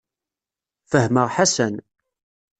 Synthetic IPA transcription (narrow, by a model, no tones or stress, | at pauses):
fəɦməʁħasæn